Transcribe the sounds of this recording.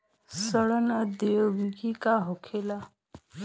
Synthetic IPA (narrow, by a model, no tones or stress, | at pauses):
səɭənəd̪əwikikaɦokʰela